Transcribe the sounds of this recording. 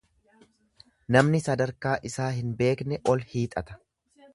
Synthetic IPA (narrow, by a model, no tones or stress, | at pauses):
nɐmnɪsɐd̪ɐɾkaːʔɪsaːɦɪnbe̞ːknɛʔɔlhiːt̪ʼɐ̰t̪ɐ̥